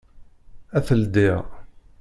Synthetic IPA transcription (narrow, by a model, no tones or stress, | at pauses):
æθəld̪ɪʁ